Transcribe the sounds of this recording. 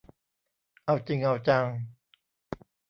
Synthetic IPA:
ʔa˧wt͡ɕi˧ŋʔa˧wt͡ɕa˧ŋ

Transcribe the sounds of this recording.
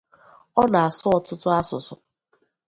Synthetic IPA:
ɔ˦na˨a˨sʊ˦ɔ˨tʊ˦tʊ˦a˦sʊ˨sʊ˨

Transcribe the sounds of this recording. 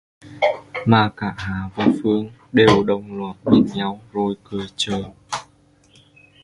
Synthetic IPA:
maː˨˩kaː˧˩ɦaː˨˦vaː˨˩fɨ˧əŋ | ɗe˨˩wɗə˨˩wŋ͡mlə˨˩t̚ɓə˨˧˩nɲa˧wzo˧˩jkɨ˨˩jt͡ɕəː˨˩j

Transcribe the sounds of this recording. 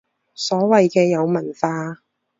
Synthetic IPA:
sɔː˨˥wɐ˨jkɛː˧jɐ˨˧wmɐ˨˩nfaː˧

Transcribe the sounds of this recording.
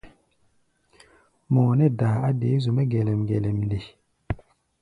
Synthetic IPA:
mɔ˨nɛ˦da˨a˦de˨˦zu˨mɛ˦ɡɛ˨lɛ˨mɡɛ˨lɛ˨mle˨

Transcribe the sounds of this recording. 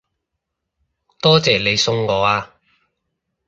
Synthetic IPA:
t̪ɔː˥t͡sɛː˨le˨˧jsʊ˧ŋŋɔː˨˧˥aː˧

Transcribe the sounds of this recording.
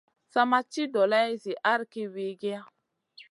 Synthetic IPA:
sa˦ma˦t͡ʃi˦dɔ˨la˦i˦zi˨ʔa˦ɾki˦we˨ɡe˦a˦

